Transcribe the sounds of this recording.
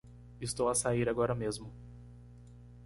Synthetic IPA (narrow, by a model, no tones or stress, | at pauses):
ɪst̪owasaiɾaɡɔɾɐmezmʊ